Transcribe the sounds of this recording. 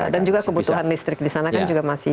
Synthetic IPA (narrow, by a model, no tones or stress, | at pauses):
dand͡ʒuɡakəbut̪uɦanlist̪ɾɪk̚disanakand͡ʒuɡamasɪ